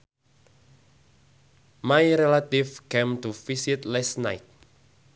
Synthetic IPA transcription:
majɾɛlat̪ifkẽmt̪ufisit̪lɛsna̰jt̪̚

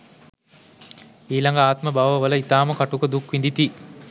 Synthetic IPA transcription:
iːlaŋɡaaːt̪məbaʋəʋələit̪aːməkaʈukəd̪ukʋind̪it̪i

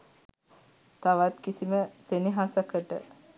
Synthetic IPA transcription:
t̪aʋat̪kisiməseniɦasəkəʈə̰

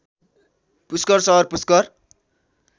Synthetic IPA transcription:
puskʌrsʌɦʌrpuskʌr

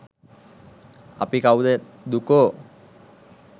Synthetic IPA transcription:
a̰pikawd̪e | d̪uko

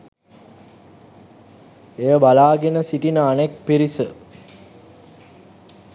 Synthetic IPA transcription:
ejəbalaːɡenəsiʈinəanek̚piɾisə

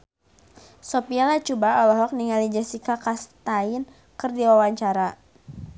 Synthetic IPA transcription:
sopialat͡ʃubaɔlɔɦɔk̚niŋalid͡ʒasikakast̪ain | kɨrdiwawaɲt͡ʃaɾa

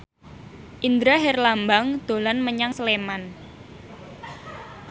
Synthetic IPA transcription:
ʔind̪ɾaɦɛrlambaŋd̪̥o̤lanməɲaŋsəleman

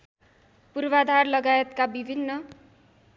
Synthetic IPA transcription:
purbad̪ʱarlʌɡaet̪kabibʱinːʌ

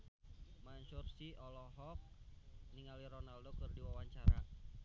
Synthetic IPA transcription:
maɲt͡ʃursiɔlɔɦɔk̚niŋaliɾɔnaldokɨrdiwawaɲt͡ʃaɾa̰

